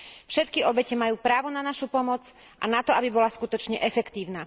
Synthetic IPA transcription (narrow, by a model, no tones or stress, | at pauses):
fʃɛt̪kiɔbɛcɛmajuːpɾaːʋɔnanaʃupɔmɔd͡z | ʔa̰nat̪ɔabibɔlaskut̪ɔt͡ʃɲɛʔɛfɛkt̪iːʊna